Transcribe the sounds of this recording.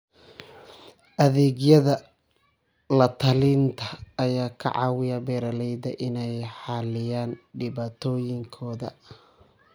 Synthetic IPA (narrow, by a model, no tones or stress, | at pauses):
ʔɐðɛːɡjɐðɐ | lɐt̪ʰɐlɪnt̪ʰɐːjaːkʰɐ̰ʕɑ̰ːwɪjɐbɛːɾɐlɛjd̪ɐʔɪnɛjħɑːlɪjaːnɖɪβaːt̪ʰɔːjɪŋkʰɔːðɐ̰